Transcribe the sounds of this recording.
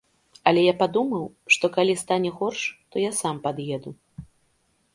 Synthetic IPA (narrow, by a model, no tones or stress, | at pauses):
ɐlʲɛjapad̪umɐw | ʂt̪ɔkalʲist̪anʲɛɣɔrʂt̪ɔjasampad̪jɛd̪u